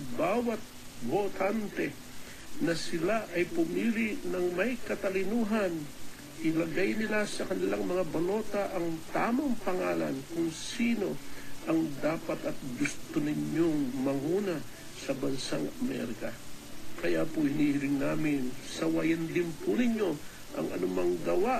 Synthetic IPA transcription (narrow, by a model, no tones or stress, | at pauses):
baːwɐt̪̚bot̪ant̪ɛ | nɐsɪlaʔɐjpʊmiːlɪʔnɐŋmɐjkɐt̪ɐlɪnuɦɐn | ʔɪlɐɡajnɪlasɐkɐnɪlaŋmɐŋabɐlo̞ːt̪aʔɐŋt̪aːmɐŋpɐŋaːlɐ̰nkʊŋsiːno̞ʔɐŋd̪aːpɐt̪ɐt̪̚ɡʊst̪onɪɲoŋmɐŋuːnɐ | sɐbɐnsaŋɐmɛ̰ɾkɐkɐjaːpʊɪniːʔɪlɪŋnaːmɪnsɐwɐjɐnd̪ɪnpʊnɪɲo̞ | ʔɐ̰ŋɐ̰nʊmaŋɡɐwa